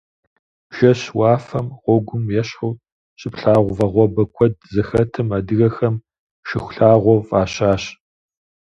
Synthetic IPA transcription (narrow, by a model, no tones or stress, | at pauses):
ʒ̥ɐɕwɑːfɐmʁʷɔɡʷʊmjɛɕʊw | ɕʼɪpɬaːʁʷʊvɐʁʷɔbɐkʷʰɔd̚zɨxɐtʰɨmɐdɨɣɐxɐm | ʃɪxʷɬaːʁʷɔfʼaːɕaːɕ